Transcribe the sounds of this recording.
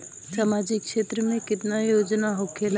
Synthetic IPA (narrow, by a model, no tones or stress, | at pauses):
samad͡ʒɪkːʃet̪ɾəmẽkɪt̪najod͡ʒnaɦokʰel